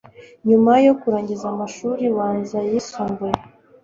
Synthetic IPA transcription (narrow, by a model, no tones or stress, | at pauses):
ɲumajo̞kuɾaːɲɟizamaʃuɾiwaːnzajisuːmbuj